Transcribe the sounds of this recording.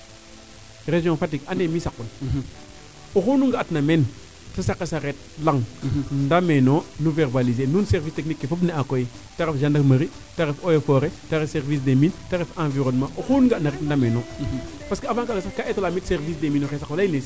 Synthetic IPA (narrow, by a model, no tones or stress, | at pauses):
ɾeʒjõfat̬ikanemisakːun | uxunuŋɡaatnamen | sasaqːesaɾet̚laŋndamenonuveɾbalizenunseɾvisteknikːefop̬neakoji | taɾefʒandakmɐɾi | taɾefojefoɾetaɾefseɾvis̬demintaɾefãːnviɾonmãʔuxunuɡatnaɾetndamenopaskeavãŋkaɡasakaʔetolamitseɾvis̬deminoxesaklajines